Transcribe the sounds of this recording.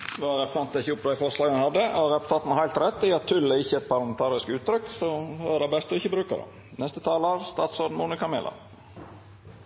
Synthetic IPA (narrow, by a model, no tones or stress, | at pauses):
d̪ɛɑɾɛpsɑnt̪ɪçːəʊp̪æɪfɔɾslɑːɡənhɑd̪ːəɾɛpɔ̥t̪ʰɑːt̪n̩ɑɾhæɪlt̪ɾɛt̪ːɪɑt̪ʰːʏlːəɪçːəɛt̪̚pʰɑɾlɑmɛnt̪ʰɑːɾɪskʉːt̪t̪ɾʏkːsɔød̪ɛbɛst̪əɔɪçːəbɾʉːkəd̪ɛ̰ | nɛst̪ət̪ʰɑːlɑɾst̪ɑːt̪sɔɾd̪n̩mʊnɪkɑmḛlɑ̰